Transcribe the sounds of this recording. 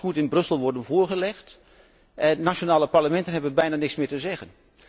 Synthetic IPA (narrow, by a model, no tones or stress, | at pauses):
mutɪnbrɵsəl̩ˠʋɔɹdənvʊːɹɣəlɛxt | ɛnːaʃonaːləpaɹləmɛntənɦɛbəbɛjnaːnɪksmɪːtəzɛɣən